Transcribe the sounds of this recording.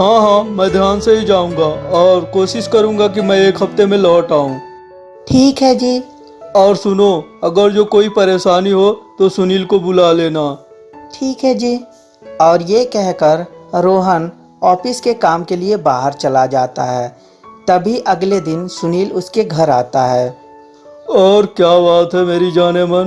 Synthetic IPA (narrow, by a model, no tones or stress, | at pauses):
ɦãːɦãːmɛ̃ːd̪ʱjaːnseɦid͡ʒaːũːŋɡaɔːɾkoːʃɪʃkɐɾũːŋɡak̬imɛ̃eːkɦɐft̪emẽlɔːʈaːũː | ʈʰiːkɦɛd͡ʒiː | ɔːɾsʊnoɐɡəɾd͡ʒoːkoːipɐɾeːʃaːniɦot̪osʊniːlkobʊlaleːnaː | ʈʰiːkɦɛd͡ʒiː | ɔːɾjekɛɦkəɾɾoːɦən | ɔːfɪskekaːmkeliebaːɦəɾt͡ʃɐlad͡ʒaːt̪a̰ɦɛː | t̪ɐbʱiʔɐɡled̪ɪnsʊniːlʊskeɡʱɐɾaːt̪aɦɛː | ɔːɾkjaːbaːt̪ɦɛmeːɾid͡ʒaːnemən